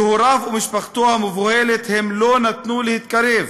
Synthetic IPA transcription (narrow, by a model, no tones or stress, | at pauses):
hoɾavumiʃpaχt̪ohamevohelet̪hemlo̞nat̪nulehit̪̚kaɾev